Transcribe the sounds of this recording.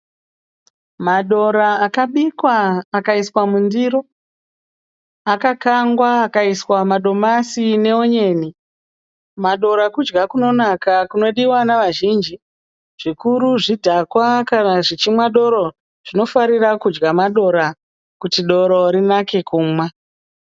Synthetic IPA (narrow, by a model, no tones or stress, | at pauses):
maɗo̞ɾaːkaɓikwaːkaiswamundiɾo̞ | akakaŋɡwaːkaiswamaɗo̞masine̞oɲe̞ːni | maɗo̞ɾakud͡ʒɡakuno̞nakakuno̞ɗiwanaʋaʒiːnd͡ʒi | ʐ̥ikuɾuʐidʱakwakanaʐit͡ʃimwaɗo̞ɾo̞ | ʐ̥ino̞faɾirakud͡ʒɡamaɗo̞ɾa | kutiɗo̞ɾo̞ɾinake̞kuːmwa